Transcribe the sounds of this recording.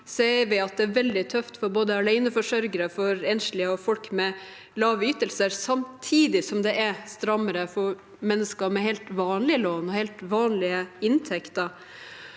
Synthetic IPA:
seːʋɪɑt̪̚d̪ɛæɾʋɛld̪ɪt̪ʰœft̪fɔɾboːd̪əɑlæɪnəfɔʂœɾɡəɾəfɔɾɛnʂɭɪəɔfɔlkmɛ | lɑːʋəyːt̪əlsəɾsɑmt̪ʰiːd̪ɪsɔmd̪ɛʔæst̪ɾɑmːəɾəfɔɾ | mɛnːəskəɾmɛɦɛɪlt̪ʋɑːnlɪəloːnɔhɛɪlt̪ʋɑːnlɪəɪnt̪ʰɛkt̪əɾ

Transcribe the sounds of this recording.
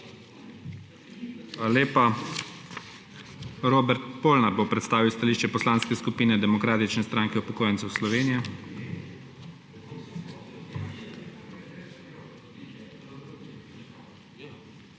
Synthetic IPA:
xalaleːpa | ɾoːbɛɾt̪poːlnaɾbopɾɛt̪st̪aːʋiwst̪aliːʃt͡ʃɛpɔslaːnskɛskupiːnɛd̪ɛmɔkɾaːt̪it͡ʃnɛst̪ɾaːŋkɛupɔkoːjɛnt̪sɛwslɔʋeːnijɛ

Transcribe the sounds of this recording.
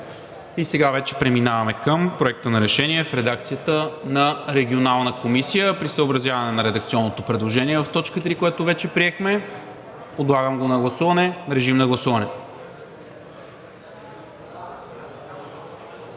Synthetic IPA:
isɛɡavɛt͡ʃɛpɾɛminavɐmɛkəmpɾoɛk̚t̪ənɐɾɛʃɛniɛfɾɛd̪akt̪sijət̪ənɐɾɛɡʲionalˠnəkomisijəpɾisəobɾɐzʲjavɐnɛnɐɾɛd̪əkt̪siɔnːot̪opɾɛd̪lˠoʒɛniɛvɐft̪ɔt͡ʃkət̪ɾikoɛt̪ʊvɛt͡ʃɛpɾiɛxmɛ | pod̪lˠaɡəmɡonɐɡlˠɐsuvɐnɛɾɛʒimnɐɡlˠɐsuvɐnɛ

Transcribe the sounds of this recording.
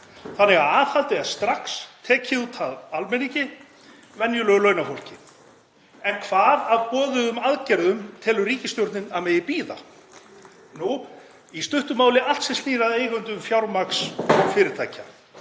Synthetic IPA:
θanːɛɣaðaːvhalt̪ɪast̪ɾaxst̪ʰɛːcʰɪðut̪ʰaðalmɛniɲcɪ | vɛnjʏlœːɣlœɥnafowl̥cɪ | ɛnkʰv̥aːðavpɔːðʏʏmaðcɛɾðʏmt̪ʰɪlʏriːcɪst̪jowɾt̪nɪnaðmɛːjðɪpiːða̰ | nu | ist̪ʏht̪ʏmaːwlɪʔal̥t̪sɛsiːɾaðeːjɣʏnt̪ʏʏmfjawɾmaksfɪːɾɪɾ̥t̪ʰajcʰa

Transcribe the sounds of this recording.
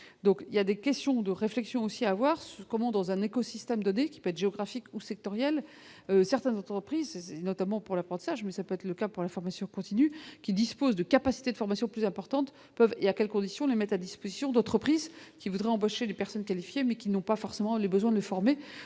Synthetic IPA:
d̪ɔ̃kiljad̪ekʲɛst̪jɔ̃d̪əʁeflɛksjɔ̃osiaːvwaʁsyʁkɔmɑ̃d̪ɑ̃zɛ̃nekɔsist̪ɛmd̪ɔnekʲi̥pøɛt̪χʒeɔɡʁafikusɛk̚t̪ɔʁjɛl | øsɛʁt̪ɛnzɑ̃t̪χəpχizsɛsɛnɔt̪amɑ̃puʁlapχɑ̃t̪i̥saʒmɛsapøɛt̪χləkapuʁlafɔʁmasjɔ̃kɔ̃t̪inykʲid̪ispozd̪əkapasi̥t̪ed̪əfɔʁmasjɔ̃plyzɛ̃pɔʁt̪ɑ̃t̪ | pœveakʲɛlkɔ̃d̪isjɔ̃lemɛt̪ad̪ispozisjɔ̃d̪ɑ̃t̪χəpχizkʲivud̪ʁɛɑ̃boʃelepɛʁsɔnkalifjemɛkʲinɔ̃pafɔʁsemɑ̃lebəzwɛ̃d̪ələfɔʁme

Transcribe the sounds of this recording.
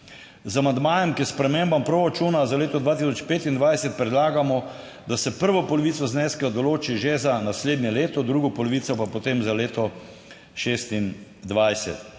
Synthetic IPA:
zamand̪maːjɛmkiɛspɾɛmembampɾoɾat͡ʃuːnazaleːt̪ɔd̪ʋaːt̪isɔt͡ʃpeːt̪ind̪ʋajsɛt̪̚pɾɛd̪laːɡamɔ | d̪asɛpəɾʋɔpɔlɔʋiːt̪sɔznɛsklad̪ɔloːt͡ʃiʒezanasleːd̪njɛleːt̪ɔd̪ɾuːɡɔpɔlɔʋiːt̪sɔpapot̪emzaleːt̪ɔ | ʃeːst̪in | d̪ʋajsɛ̰t̪

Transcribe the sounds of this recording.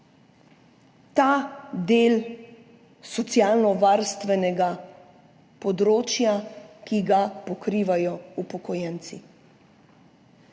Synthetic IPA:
t̪aːd̪eːl | sɔt̪sjaːlnɔʋaːɾst̪ʋɛnɛɡa | pɔd̪ɾoːt͡ʃjakiɡapɔkɾiːʋajɔupɔkɔjɛnt̪si

